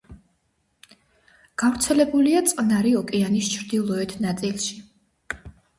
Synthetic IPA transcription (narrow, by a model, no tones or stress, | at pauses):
ɡ̥avɾt̪sʰɛlɛbuliat̪sʼqʼnaɾiɔkʼɛanist͡ʃʰɾd̪ilˠɔɛt̪ʰnat̪sʼilˠʃi